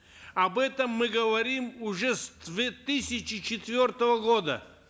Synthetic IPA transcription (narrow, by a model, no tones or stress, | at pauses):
ɐbɛt̪əmːɨɡəvɐɾʲimʊʐɛsd̪vʲet̪ɨsʲɪt͡ɕɪt͡ɕɪt̪vʲort̪əvəɡod̪ə̰